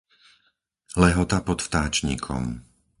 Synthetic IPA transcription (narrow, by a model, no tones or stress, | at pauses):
lɛɦɔt̪apɔt̪ft̪aːt͡ʃɲḭːkʰɔ̰m